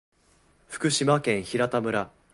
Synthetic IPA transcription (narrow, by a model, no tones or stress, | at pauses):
ɸɯ̟̥kɯ̟ɕimakẽ̞ɰ̃çiɾat̪amɯ̟ɾa